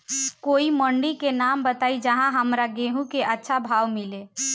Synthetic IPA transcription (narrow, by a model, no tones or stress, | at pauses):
koiməɳɖikenambət̪aːid͡ʒəɦãɦəmɾaɡeɦũkeʔətːʃʰabʱaːʋmile